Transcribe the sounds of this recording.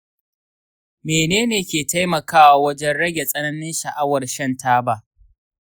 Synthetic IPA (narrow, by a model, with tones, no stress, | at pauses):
meː˨neː˦neː˨kʲeː˨ta˦jmɐ˨kaː˦wa˨wɐ˦d͡ʒɛ˦nɽɐ˦ɡʲe˨sʼɐ˦nɐ˦nɪ˦nʃɐ˨ʔa˦wɐ˨rʃɐ˦ntaː˦ba˦ʔ